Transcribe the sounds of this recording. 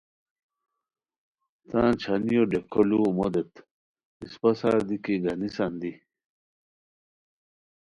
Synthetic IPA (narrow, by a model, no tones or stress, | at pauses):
t̪ãːt͡ɕʰanijoɖekʰolumod̪et̪ | ispɐsaːɾd̪ikiɡanisand̪i